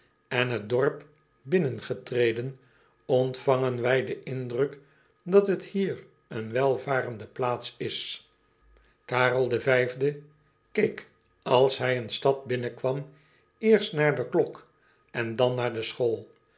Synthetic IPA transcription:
ɛnɦət̚dɔɹp | bɪnənχətrejdən | ɔntfɑŋənʋɛjdəʔɪndrək | dɑtɦəthiːr | ənʋɛlˠvaːrəndəplaːtsɪs | kaːrəlˠdəvɛjvdə | kejk | ɑlˠsɦɛjənstɑt̚bɪnəkʋɑm | ɪːɹstnaːɹdəklɔk | ɛndɑnːaːɹdəsχoːlˠ

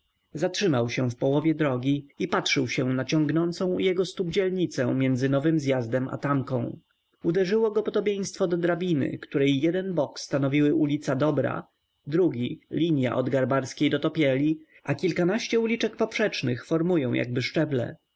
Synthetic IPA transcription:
zatʂɘmawɕɛfpɔwɔvʲjɛd̪ɾɔɡʲiipatʂɘwɕɛnat͡ɕɔ̃ŋɡnɔnt̪sɔ̃w̃jɛɡɔst̪ubd͡ʑɛlɲit̪sɛ̰̃mʲjɛnd̪zɘnɔvɘmzjazd̪ɛma̰t̪amkɔ̃w̃ | ud̪ɛʐɘwɔɡɔpɔd̪ɔbʲjẽj̃st̪fɔd̪ɔd̪ɾabʲinɘ̰kt̪uɾɛjːɛd̪ɛnbɔkst̪anɔvʲiwɘʔulʲit̪sad̪ɔbɾa̰ | d̪ɾuɡʲilʲiɲja̰ʔɔd̪ɡaɾbaɾskʲejd̪ɔt̪ɔpʲjɛlʲi | ʔakʲilkanaɕt͡ɕɛulʲit͡ʂɛkpɔpʂɛt͡ʂnɘxfɔɾmujɔ̃w̃ja̰ɡ̚bɘʂt͡ʂɛblɛ̰

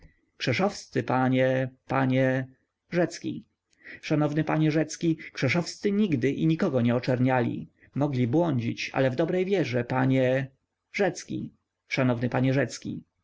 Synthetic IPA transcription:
kʂɛʂɔfst̪sɘpaɲɛpaɲɛ | ʐɛt̪skʲḭ | ʂanɔvnɘpaɲɛʐɛt̪skʲikʂɛʂɔfst̪sɘɲiɡd̪ɘʔḭɲikɔɡɔɲɛɔt͡ʂɛɾɲalʲḭ | mɔɡlʲibwɔɲd͡ʑit͡ɕa̰lɛvd̪ɔbɾɛjvʲjɛʐɛpaɲɛ | ʐɛt̪skʲḭ | ʂanɔvnɘpaɲɛʐɛt̪skʲḭ

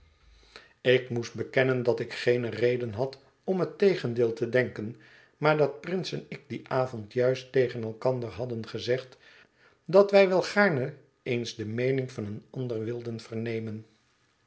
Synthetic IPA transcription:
ɪkmusd̚bəkɛnəndɑtɪkχejnərejdənɦɑt | ɔmɦətejχəndɪːlˠtədɛŋkən | maːɹdɑt̚prɪnsɛnɪk̚diʔaːvɔntjœɥstejχənɛlˠkɑndəɹɦɑdənχəzɛχt | dɑtʋɛjʋɛlˠχaːɹnə | ejnzdəmejnɪŋvɑnənɑndərʋɪlˠdənv̥əɹnejmən

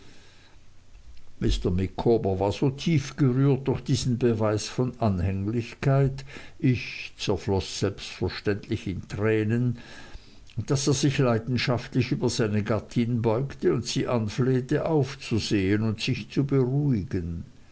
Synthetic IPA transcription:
mɪstɐmɪkʰoːbəvaːɐz̥oːtʰiːfɡ̥əʁyːɐt̚d̥ʊɐxd̥iːz̥n̩bəvaɪsfɔnanhɛŋlɪçkʰaɪtɪçt͡sɛɐflɔsz̥ɛlpstfɛɐʃtɛntlɪçɪntʁ̥ɛːnən | d̥aseːɐz̥ɪçlaɪdn̩ʃaftlɪçyːbɐzaɪnəɡatʰɪnbɔʏktəʊntsiːʔanfleːtəʔaʊft͡suzeːənʊntsɪçt͡subəʁuɪɡ̥ən

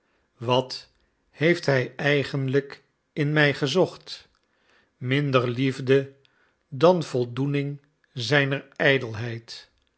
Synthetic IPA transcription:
ʋɑt | hejftɦɛjɛjχənlək | ɪnmɛjχəzɔχt | mɪndəɹlivdə | dɑnv̥ɔlˠdunɪŋ | zɛjnəɹɛjdəlˠɦɛjt

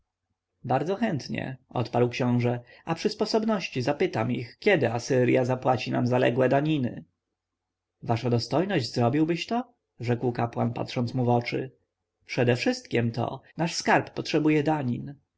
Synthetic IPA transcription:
baɾd̪zɔxɛnt̪ɲɛ̰ɔ̰t̪paɾwkɕɔ̃w̃ʐɛapʂɘspɔsɔbnɔɕt͡ɕizapɘt̪amixkʲɛd̪ɘasɘɾjazapwat͡ɕinamzalɛ̰ɡwɛd̪aɲinɘ̰ | vaʂad̪ɔst̪ɔjnɔʑzɾɔbʲiwbɘɕt̪ɔ | ʐɛkwkapwanpa̰t̪ʂɔnt̪smuvɔt͡ʂɘ̰ | pʂɛd̪ɛfʂɘst̪kʲɛmt̪ɔ̰naʂskaɾpːɔtʂɛbujɛd̪aɲin

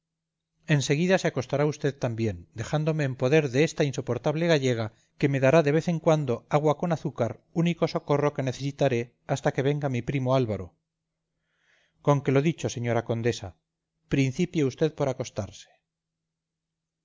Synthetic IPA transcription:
e̞nse̞ɣiðaseako̞st̪aɾaust̪e̞ðt̪ambje̞nd̪e̞xand̪o̞me̞ːmpo̞ð̞eɾðeest̪ainso̞po̞ɾt̪aβle̞ɣaʝe̞ɣ̞a | ke̞me̞ðaɾaðe̞β̞e̞θe̞ŋkwand̪o̞aɣwako̞naθukaɾuniko̞so̞ko̞ro̞ke̞neθe̞sit̪aɾe̞ | ast̪ake̞βe̞ŋɡamipɾimoalβaɾo̰ | koŋke̞lo̞ðit͡ʃo̞se̞ɲo̞ɾako̞nd̪e̞sa | pɾin̟θipjeust̪e̞ðpo̞ɾako̞st̪aɾse̥

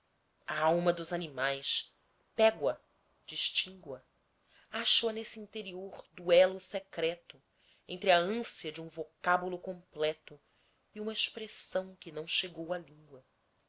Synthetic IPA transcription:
ɐawmɐd̪ʊzanimajs | pɛɡwɐ | d͡ʒiʃt͡ʃĩŋɡwɐ | aʃoɐnesiĩnt̪eɾioɾd̪uɛlʊsekɾɛt̪ʊ | ẽnt̪ɾɪɐə̃siɐd͡ʒɪũvokabulʊkõmplɛt̪ʊ | iũmɐɪʃpɾesɐ̃w̃kɪnɐ̃w̃ʃeɡowɐlĩŋɡwɐ

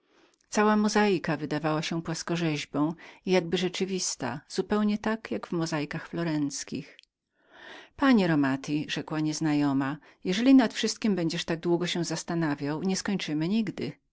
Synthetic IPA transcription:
t̪sawamɔzajkavɘd̪avawaɕɛpwaskɔʐɛʑbɔ̃w̃ijaɡbɘʐɛt͡ʂɘvʲist̪a̰z̥upɛwɲɛt̪akjaɡvmɔzajkaxflɔɾɛnt̪skʲḭx | paɲɛɾɔmat̪iʐɛkwaɲɛznajɔma | jɛʐɛlʲinat̪fʂɘst̪kʲimbɛɲd͡ʑɛʂt̪aɡ̚d̪wuɡɔɕɛ̃zast̪anavʲjawɲɛskɔɲt͡ʂɘmɘɲiɡd̪ɘ

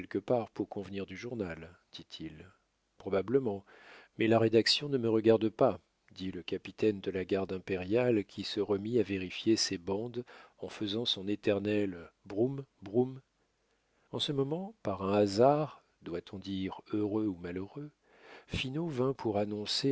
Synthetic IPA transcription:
ɛlkəpaʁpuʁkɔ̃vniʁd̪yʒuʁnal | d̪̥it̪ʰil | pχɔbabləmɑ̃ | mɛlaʁed̪aksjɔ̃nəməʁəɡaʁd̪pa | d̪iləkapit̪ɛnd̪əlaɡaʁd̪ɛ̃peʁjalkʲisəʁəmiaveʁifjesebɑ̃d̪ɑ̃fəzɑ̃sɔ̃net̪ɛʁnɛlbʁumbʁum | ɑ̃səmɔmɑ̃paʁɛ̃azaʁ | d̪wat̪ʰɔ̃d̪iʁøʁøumaløʁø | finovɛ̃pʰuʁanɔ̃se

